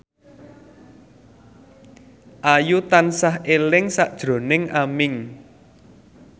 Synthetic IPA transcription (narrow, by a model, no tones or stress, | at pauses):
ʔajut̪ansahelɪŋsaʔd̥ʒ̥ɾo̤nɪŋamɪŋ